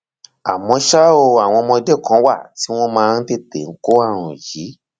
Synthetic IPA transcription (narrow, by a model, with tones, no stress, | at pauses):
a˨mɔ̃˧ʃa˦o˧a˨w̃ɔ̃˧mɔ̃˧dɛ˦kã˨˦wa˦˨ti˦w̃ɔ̃˦mãː˧n̩˦te˦˨tḛ˨ŋ̩˨˦ko˦a˦˨ɾ̃ũ˨ji˨˦